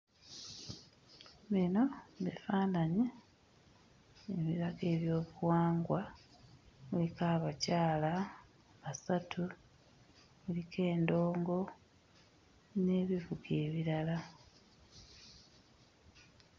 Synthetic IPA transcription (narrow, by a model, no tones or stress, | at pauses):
βino̞βḭfaːnaɲi | eβiɾaɡe̞ːβjo̞ːβuwaːŋɡwa | βulikaβacaːla | βasatʰu | βulike̞ːndo̞ːŋɡo̞ | ne̞ːβivuɡe̞ːβiɾala